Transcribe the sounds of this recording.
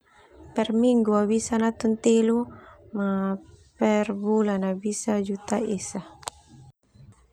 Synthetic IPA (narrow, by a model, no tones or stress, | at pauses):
pɛrmiŋɡuabisanat̪unt̪elumapɛrbulanabisad͡ʒut̪aesa